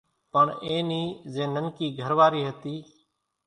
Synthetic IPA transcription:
pəɳẽːniːzẽːnənkiːɡʱəɾʋaːɾiːɦət̪iː

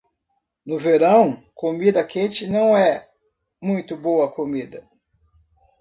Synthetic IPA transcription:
nʊveɾɐ̃w̃komid̪ɐkẽt͡ʃɪnɐ̃w̃ɛ | mũj̃t̪ʊbowɐkomid̪ɐ

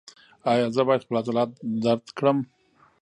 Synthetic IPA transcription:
ɑjɑzəbɑjad̪xpəlat̪alɑt̪d̪aɾd̪kɽəm

